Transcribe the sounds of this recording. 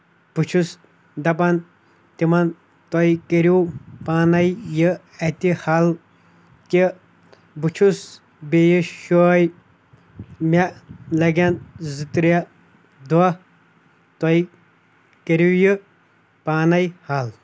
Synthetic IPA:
b̥ut͡ʃʰus | d̪ɐpɐn | t̪imɐn | t̪ɔjikeɾjupaːnɐjjɨ | ɐt̪ihal | ki | but͡ʃʰus | bejiʃoːj | mʲalɐɡʲɐnzɨt̪ɾa | d̪uɐ | t̪ɔi | keɾujɨ | paːnɐjhal

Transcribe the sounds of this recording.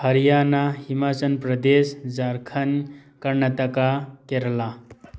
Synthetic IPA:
həɾjanahimat͡sənpɾəd̪esd͡zaɾkʰənkəɾnat̪əkakeɾla

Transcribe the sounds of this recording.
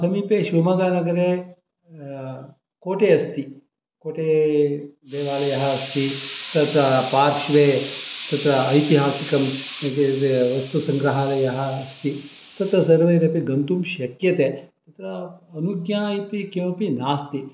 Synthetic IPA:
sɐmiːpeːɕʋɐmɐɡanɐɡɐɾe | koːʈeɐst̪i | koːʈe | d̪eːʋaːlejɐɦɐːst̪it̪ɐt̪ɾɐpaːɾʃʋet̪ɐt̪ɾɐːjt̪iɦaːsikɐmɐt̪eeʋɐst̪usɐŋɡɾɐɦaːlejɐɦɐːst̪i | t̪ɐt̪ɾɐsɐɾʋɐjɾepiɡɐnt̪uːmʃɐkjɐt̪et̪ɐt̪ɾɐɐnuɡjajt̪ikẽʋpinaːst̪i

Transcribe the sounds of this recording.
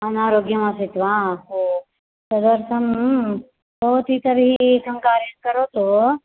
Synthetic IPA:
ɐnaːɾoːɡjɐmãsit̪ʋaːɦo | sɐd̪ɐɾsɐm | bɐɦut̪it̪ɐɾɦisɐ̃ŋkaːɾjɐnkɐɾot̪o

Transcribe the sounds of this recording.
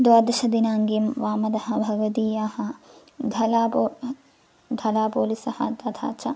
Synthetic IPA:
d̪ʋaːd̪ɐʃɐd̪inaːŋɡimʋaːmɐd̪ɐhɐ̆bʱɐɡɐt̪iːjaːhɐ̆ | d̪ʱɐlaːpo | d̪ʱɐlaːpoːlisɐhɐ̰t̪ɐt̪ʰa̰ːt͡ʃɐ

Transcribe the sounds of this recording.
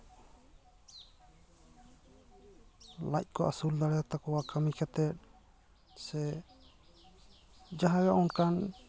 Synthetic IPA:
lac̚ˀkɔʔa̰suld̪aɽɛjat̪akɔwakamikat̪ɛt̪̚ˀ | sɛ | d͡ʒaɦajaʔɔnkan

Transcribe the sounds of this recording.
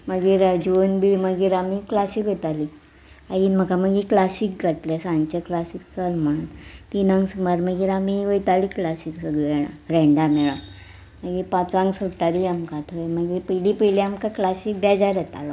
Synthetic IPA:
məɡiːɾd͡ʑonbiməɡiːɾamiklasikʋet̪ali | aiːnm̤əkaməɡiklasik̚ɡʱəʈlesãnt͡ɕəklasik̚t͡səlm̤əɽ̃ut̪t̪inãŋɡsmaɾməɡiːɾamiʋəjt̪aliklasiksəɡɭɛɽ̃a̰ɾeɳɖameɭa | məɡipat͡sãŋɡsoʈaɾiamkat̪ʰəjməɡipəjlipəjliamkaklasik̚d̪ad͡ʑaɾɛt̪a̰lɔ

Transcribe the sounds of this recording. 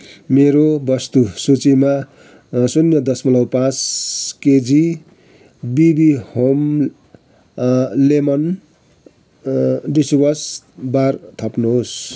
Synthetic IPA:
meɾobʌst̪usut͡sima | sunjʌd̪ʌsmʌlʌwpãt͡sked͡zi | bibihom | lemʌn | ɖiswʌs | bart̪ʰʌpnuɦos

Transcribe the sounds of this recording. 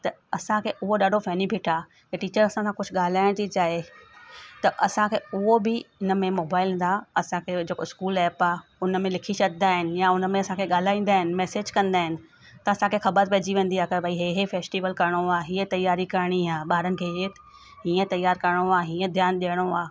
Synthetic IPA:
t̪ɐɐsãkʰeːʔʊɦoɗaːɖʱofɛːnipɪʈʰaː | kɐʈiːt͡ɕəɾɐsãsãkʊd͡ʑʰʱʊɠaːl̤aːɪɽ̃t̪it͡ɕaːɦe | t̪ɐʔɐsãkʰeːʊɦobɪɪnə̆mẽmoːbaːɪl̃ːnd̪aɐsãkʰed͡ʑeːkoɪskuːlɛːpaːʊnmẽlɪkʰiʃɐd̪d̪aːɦɪnɪ̆jaʊnəmẽɐsãkʰeɠaːl̤aːĩːn̆d̪aːɦɪnɪ̆mɛːseːd͡ʑkɐ̃nd̪aːɦɪnɪ̆ | t̪ɐɐsãkʰexɐbəɾpɐːd͡ʑiʋẽːn̆d̪iaːkɐɾbʱaiɦeːɦefeːsʈiːʋəlkɐɾɪɽ̃oaːɦiːə̃t̪ɐjaːɾikɐɾɪɽ̃iaːɓaːɾənɪ̆kʰeɦeː | ɦĩːə̃t̪ɐjːaːɾkɐɾɽ̃oaːɦiːə̃d̪ʱjaːnɗiəɽ̃oaː

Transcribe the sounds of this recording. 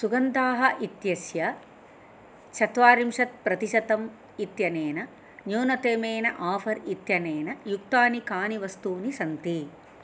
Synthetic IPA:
suɡɐnt̪aːɦɐʔit̪jɐsjɐ | t͡ʃʰɐt̪ʋaːɾimʂɐt̪̚pɾɐt̪iʃɐt̪ɐm | it̪jɐneːnɐ | njoːnɐt̪eːmeːnɐ̰ʔaːfɐɾit̪jɐneːnɐjuk̚t̪aːnikaːniʋɐst̪uːnisɐnt̪i

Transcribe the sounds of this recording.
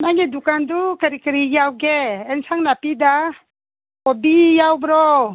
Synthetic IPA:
naŋɡidukandukaɾikəɾijawɡeːnsaŋnapida | kɔbijawbɾɔ

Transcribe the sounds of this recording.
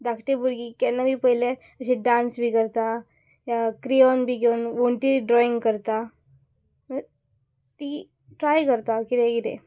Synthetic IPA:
d̪akʰʈebuɾɡiːkɛnːabʱiːpəɦile | əɕeɖãnsbʱiːkəɾt̪a | ɦjakɾijɔnbʱiːɡeunʋoɳʈiɖɾɔĩŋɡkəɾt̪a | ə | t̪i | ʈɾajkəɾt̪akit̪ekit̪ḛ̃

